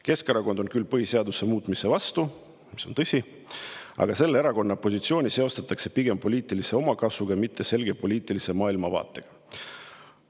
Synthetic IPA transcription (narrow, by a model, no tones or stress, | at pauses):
ke̞skɑɾɑko̞nd̪o̞nkylːpɤhise̞ɑd̪use̞muːt̪ːˑmise̞vɑst̪u | mi̥so̞nt̪ɤsʲi | ɑ̰ɡ̥ɑse̞lːeeɾɑko̞nːɑpo̞sit̪sio̞ːnʲise̞o̞st̪ɑt̪ːˑɑkse̞piɡ̥e̞mpo̞lʲiːt̪ˑilise̞o̞mɑkɑsvuɡ̥ɑmit̪ːˑe̞se̞lɡ̥e̞po̞lʲiːt̪ˑilise̞mɑːilmɑvɑ̰ːt̪ːˑe̞ɡ̥ɑ̥